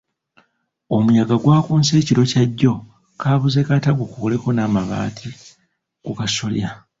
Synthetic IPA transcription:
o̞mujaɡaɡwaːkuːnse̞ːciɾo̞caɟːo̞ | kaːβuze̞kataɡokukole̞ko̞naːmaβa̰ːtʰi | kukasolja

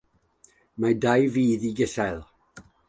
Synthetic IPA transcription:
madajviːðiɡɪsajlˠ

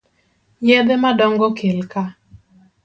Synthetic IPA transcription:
jɛd̪ɛmadɔŋɡɔkʰelka

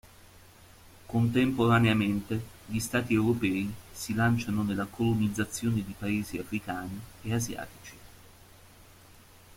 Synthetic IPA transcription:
kont̪empoɾaneament̪eʎist̪aːt̪iewɾopɛːisilant͡ʃanonelːakolonid̪zːat̪sːjoːned̪ipaeːziafɾikaːnieazja̰ːt̪i̥t͡ʃi̥

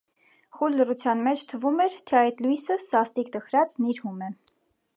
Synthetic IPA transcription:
χulːərut͡sʰjɑnmɛt͡ʃʰt̪ʰəvumɛɾt̪ʰɛɑjt̪lujsəsɑst̪ikt̪əχɾɑt͡sniɾhumɛ

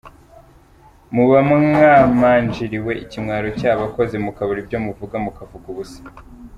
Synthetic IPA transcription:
muβamŋaːmaːnd͡ʒiɾiwe̞icimŋaːɾocaːβako̞zemukaβoɾibɟo̞muvuɡamukavuɡuusḁ

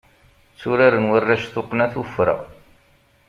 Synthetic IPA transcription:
t͡sːuɾaɾənwərːaʃθoqːnæθəfɾə̰ʁ

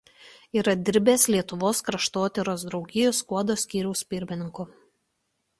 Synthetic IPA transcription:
iːɾɐd̪ʲɪɾʲbʲeːslʲiɛt̪ʊʋoːskɾɐʃt̪oːt̪ʲɛɾoːsd̪ɾɒʊɡʲɪjoːskuɔd̪oːsʲkʲiːɾʲɛʊsʲpʲɪɾʲmʲɪnʲɪŋkʊ

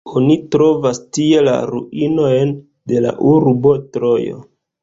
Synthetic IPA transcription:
o̞nitɾo̞vastie̞la̰ɾuino̞jn | de̞la̰ʔuɾbo̞tɾo̞jo̰

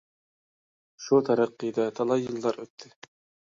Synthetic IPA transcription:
ʃut̪ʰæɾæqːɨjd̪ɑt̪ʰɑlˠɑjːɯlˠːɑɾøt̪ʰːɪ

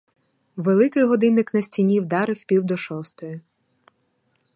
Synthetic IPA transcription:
ʋelˠɪkɪjɦɔd̪ɪnːɪknɐsʲtʲinʲiwd̪ɑɾɪwpʲiwd̪ɔʃɔst̪ɔjʊ

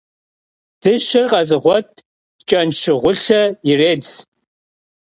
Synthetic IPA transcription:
d̥ɨʃɪrqʼɐzʼɨʁʷɔtʼ | t͡ʃʼɐnʃʰɨʁʷʊɬɐireːd͡z

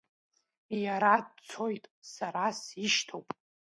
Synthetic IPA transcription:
jaɾadt͡sʰo̞jtʼsaɾasiʃtʰowpʼ

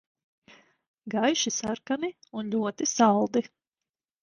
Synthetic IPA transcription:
ɡajʃisaɾkamiunʎʲuɔt̪isalˠd̪i

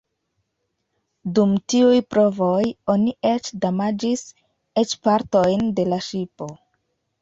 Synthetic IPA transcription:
dumtiujpɾo̞vojo̞nie̞t͡ʃdamad͡ʒis | e̞t͡ʃpaɾtojnde̞laʃipo̞

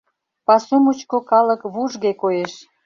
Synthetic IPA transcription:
pɑsumut͡ɕkokɑləkβuʒɣekojeʃ

